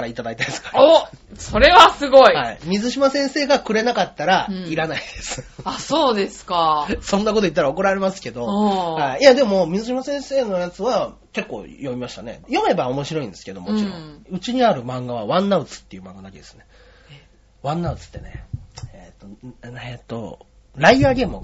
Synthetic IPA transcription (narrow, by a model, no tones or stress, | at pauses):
kaɾait̪ad̪ait̪ad̪esɨ̥kaoso̞ɾe̞βasɨɡo̞ihaimʲizɨɕimasẽ̞ɰ̃se̞ːɡakɯ̟ɾe̞nakat̪ːaɾaiɾanaid̪e̞sɨ̥asoːd̪e̞sɨ̥kasõ̞nːak̬ot̪o̞it̪ːaɾao̞k̬o̞ɾaɾe̞masɨ̥ke̞d̪o̞haijad̪e̞momʲizɨɕimasẽ̞ɰ̃se̞ːno̞jat͡sɨβake̞kːo̞ːjo̞mʲimaɕi̥t̪ane̞̰jo̞me̞bao̞mo̞ɕiɾo̞ĩnd̪e̞sɨ̥ke̞d̪o̞mo̞t͡ɕiɾõɯ̟t͡ɕiɲ̟iaɾɯ̟mãŋɡaβaβãnːaɯ̟t͡sɨ̥t̪ːe̞jiɯ̟mãŋɡad̪ake̞d̪e̞sɨ̥ne̞ | βãnːaɯ̟t͡sɨ̥t̪ːe̞neet̪ːo̞et̪ːo̰ | ɾaiaːɡʲe̞ːmɯ